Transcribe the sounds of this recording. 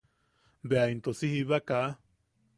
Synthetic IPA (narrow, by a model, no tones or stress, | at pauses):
beaint̪osihiβaka